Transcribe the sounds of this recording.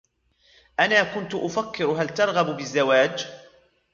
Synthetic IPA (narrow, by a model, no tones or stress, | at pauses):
ʔanaːkʊnt̪ʔʊfakːɪɾɦalt̪ɑɾˤɣɑbbɪzːawaːd͡ʒ